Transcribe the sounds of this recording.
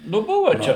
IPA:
nʊ ˈbʊʋɐ ˈt͡ʃʲɛ

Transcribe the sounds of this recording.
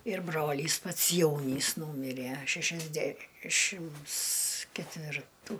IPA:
ɪr ˈbroːlʲiːs pɐts ˈjɛʊnʲiːs ˈnuːmʲɪrʲæ ʃʲɛʃʲɛzʲˈdʲæʃʲɪms kʲɛtʲʋʲɪrˈtuː

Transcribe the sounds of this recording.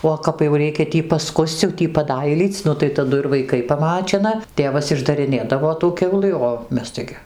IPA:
oː kɐp jɛʊ ˈrʲɛɪkʲɛ ˈtʲiː pɐˈskʊsʲt͡sʲ jɛʊ ˈtʲiː pɐˈdɐɪlʲiːt͡sʲ ˈnʊ tɐɪ tɐˈdʊ ɪr ʋɐɪˈkɐɪ pɐˈmɑːt͡ʃʲɪnɐ ˈtʲeːʋɐs ɪʒdɐrʲɪˈnʲeːdɐʋoː tuː ˈkʲɛʊlˠɨ oː ˈmʲɛs ˈtɐɪɡʲɪ

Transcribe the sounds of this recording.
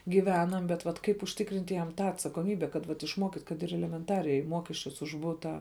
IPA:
ɡʲiːˈʋʲæːnɐm bʲɛt ʋɐt ˈkɐɪp ʊʃʲˈtʲɪkrʲɪnʲtʲ jɛm ˈtɑː ɐtsɐkoːˈmʲiːbʲɛ kɐt ʋɐt ɪʃˈmuɔkʲiːtʲ kɐt ɪr ɛlʲɛmʲɛnˈtɑːrʲɛɪ ˈmuɔkʲɛsʲt͡ʃʲʊs ʊʃ ˈbʊtɑː

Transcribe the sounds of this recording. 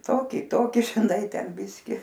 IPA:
ˈtoːkʲɪ ˈtoːkʲɪ ʒʲɪˈnɐɪ ˈtʲɛn ˈbʲɪsʲkʲɪ

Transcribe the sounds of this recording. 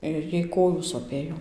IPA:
ɪr ˈjɛɪ ˈkoːjuː soːˈpʲeːjoː

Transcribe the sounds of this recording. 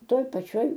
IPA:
ˈtoːj pɐˈt͡ʃʲoːj

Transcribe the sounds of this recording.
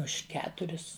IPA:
ʊʃ ˈkʲæːtʊrʲɪs

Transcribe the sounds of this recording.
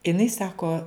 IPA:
ɪˈnɐɪ ˈsɑːkoː

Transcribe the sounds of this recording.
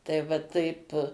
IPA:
tɐɪ ʋɐ ˈtɐɪp

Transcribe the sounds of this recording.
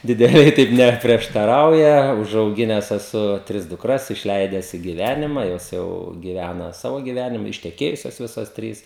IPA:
dʲɪdʲɛˈlʲɛɪ ˈtɐɪp ˌnʲæːpʲrʲiɛʃtɐˈrɐʊjɛ ʊʒɐʊˈɡʲɪnʲɛs ɛˈsʊ ˈtʲrʲɪs dʊkˈrɐs ɪʃʲˈlʲɛɪdʲɛs ɪ ɡʲɪˈʋʲænʲɪmɐ ˈjoːs jɛʊ ɡʲɪˈʋʲænɐ ˈsɑːʋoː ɡʲɪˈʋʲænʲɪmɐ ɪʃʲtʲɛˈkʲeːjʊsʲoːs ˈʋʲɪsoːs ˈtʲrʲiːs

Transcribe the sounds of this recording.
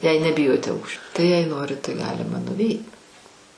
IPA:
jɛɪ nʲɛˈbʲɪjoːtʲɛ ˈɐʊkʃʲt͡ʃʲoː tɐɪ jɛɪ ˈnoːrʲɪt tɐɪ ˈɡɑːlʲɪmɐ nʊˈʋʲɛɪt

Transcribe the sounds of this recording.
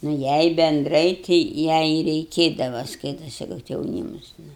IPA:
nʊ ˈjɛɪ bʲɛnˈdrɐɪ tʲɪ ˈjɛɪ ɪ rʲɛɪˈkʲeːdɐʋɐ ˈskɐɪtɐsʲɪ kɐt jɛʊˈnʲiːmʊs ˈnʊ

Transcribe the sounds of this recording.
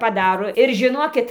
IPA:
pɐˈdɑːroː ɪr ʒʲɪˈnoːkʲɪt

